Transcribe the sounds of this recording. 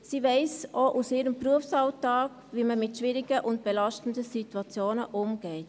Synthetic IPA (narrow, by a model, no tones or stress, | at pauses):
siːvɛɪsoʔusɪːɾəmpɾuəfsɑʊtɑːk | ʋiːməmɪtʃʋɪːɾiɡ̥əʔʊnt̚b̥ɛlɑʃtən̩dəsituɑt͡sjoːnəʔʊmɡ̥ɛɪt